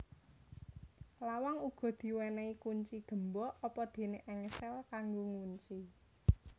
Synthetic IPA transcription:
lawaŋuɡ̥ɔ̤d̪̥i̤wɛnɛikuɲt͡ʃiɡ̪̥ə̤mbɔɔpɔd̪̥e̤neʔɛŋəsɛlkaŋɡoŋuɲt͡ʃi

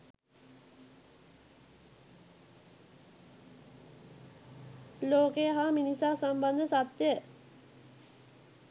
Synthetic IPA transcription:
loːkejəɦaminisaːsamband̪əsat̪jə

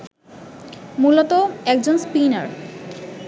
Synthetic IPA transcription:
mulot̪oɛk̚d͡ʑonspina̰ɾ

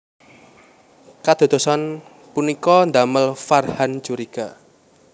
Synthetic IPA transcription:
kad̪̥o̤d̪o̤sɔn | punikɔnd̪aməlfarhant͡ʃuɾiɡ̥a

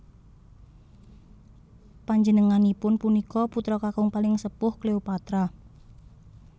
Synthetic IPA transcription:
paɲd͡ʒənəŋanipʊnpunikɔput̪ɾɔkakʊŋpalɪŋsəpʊhkleupat̪ɾa

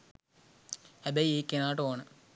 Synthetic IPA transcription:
hæbɐjieːkːenaːʈoːnə

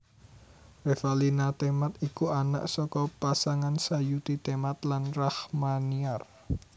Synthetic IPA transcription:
refalinat̪emat̪ikuana̰ʔsɔkɔpasaŋansajut̪it̪emat̪̚lanrahmaniar

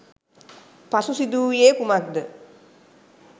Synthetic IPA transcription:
pasusid̪uːjeːkumak̚d̪ə

